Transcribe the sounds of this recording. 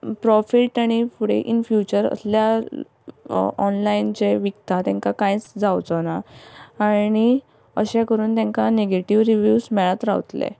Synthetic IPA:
pɾɔfiʈaɽ̃ifuɽḛʔinfjut͡ɕəɾə̰slja | ɔnlaint͡ɕeʋikt̪at̪ãŋkakãjt͡sd͡zawt͡sɔnaː | ñi | əɕẽkəɾuːnt̪jãŋkaneɡeʈiʋɾiʋjuːsmɛɭat̪ɾa̰ʋt̪lḛ

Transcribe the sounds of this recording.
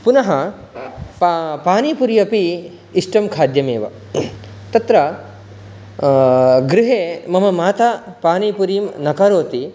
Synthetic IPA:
punɐɦɐ | ppaːnipuɾijɐpiː | sʈɐmkʰaːd̪jɐmḛːʋɐ̰ | t̪ɐt̪ɾɐ | ɡɾɪɦeːmɐmɐmaːt̪apaːnipuɾiːmnɐkaɾoːt̪i

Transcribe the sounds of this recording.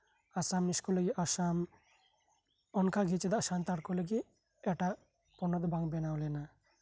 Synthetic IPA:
asamniskɔleɡiʔaʃam | ɔnkaɡit͡ʃɛd̪aʃamt̪aɾkɔleɡi | ɛʈa | pɔnɔd̪ɔbaŋbɛnawlɛna

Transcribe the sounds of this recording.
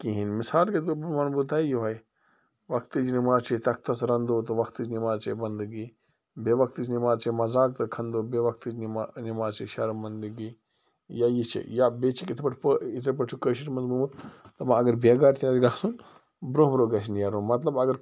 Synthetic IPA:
kiɦinmɪsaːlket̪̬ubmɐnbut̪̬aːijuʋɐj | ʋɐkt̪id͡ʒnimaːzt͡ʃʰit̪ɐk̚t̪ɐsɾɐnd̪oːt̪ɐʋɐkt̪ɨd͡ʒnimaːzt͡ʃʰibɐnd̪ɨɡi | beʋɐk̚t̪id͡ʒnimaːzt͡ʃʰimɐzaːk̚t̪ɐkʰɐnd̪oːbeʋɐk̚t̪id͡ʒnmanimaːzt͡ʃʰiʃɐɾmɐnd̪ɨɡi | jaːjit͡ʃʰḭjabet͡ʃʰikit̪ʰpɐʈʰpəit̪ʰep̬ɐʈʰukəːʃ̬iʈmɐnzmumut̪t̪ɐmãɐɡɐɾbeɡaːɾt̪ʰʲjaːd͡ʒɡaːsun | bɾoɦmɾoːɡɐs̬injaːɾomɐt̪̬lɐbɐɡɐɾ

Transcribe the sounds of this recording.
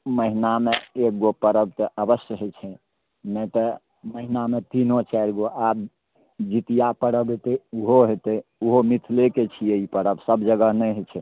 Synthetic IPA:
məɦinameek̚ɡopəɾəb̚t̪ɔʔəbəsjəɦet͡ʃʰɛ | nɛt̪ə | məɦinamet̪inot͡ʃaɾɡoʔab | d͡ʒit̪ijapəɽəbet̪euɦoɦet̪euɦomit̪ʰleket͡ʃʰijeipəɾəbsəbd͡ʒəɡənɛjɦet͡ʃʰɛ

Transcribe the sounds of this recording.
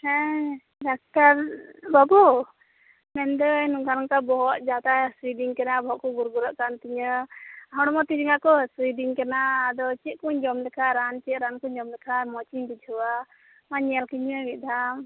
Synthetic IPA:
hɛ̃ | ɖak̚ʈaɾbabu | mɛnd̪ɔnuŋkanaŋkabɔɦɔt̪̚d͡ʒad̪asidiŋkanabɔɦɔʔkɔɡuɾɡuɾaʔkant̪iɲəɦɔɽ̃ɔmɔt̪id͡ʒiŋakɔsidiŋkanaːd̪ɔt͡ʃiʔ̪̚kuɲd͡ʒɔmd̪ɛkʰaɾant͡ʃiʔ̪̚ɾankuɲd͡ʒɔmdɛkʰamɔt͡ʃiɲbid͡ʒʱuwa | maɲɛlkiɲəɡid̪am

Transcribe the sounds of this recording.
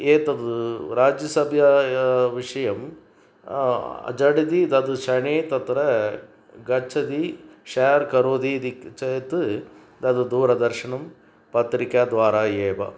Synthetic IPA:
eːt̪ɐd̪uɾaːd͡ʒjɐsɐbʱjɐʋiʂɐjɐm | ɐ̰d͡ʒɐɽid̪id̪ɐd̪uʃɐɳeːt̪ɐt̪ɾɐ | ɡɐt͡ʃʰːɐd̪iʃaːɐɾkɐɾoːd̪id̪ikt͡ʃɐt̪ɨ | d̪ɐd̪ud̪uːɾɐd̪ɐɾʂiɳɐm | pɐt̪ɾikaːd̪ʋaːɾaːjeːʋɐ̰

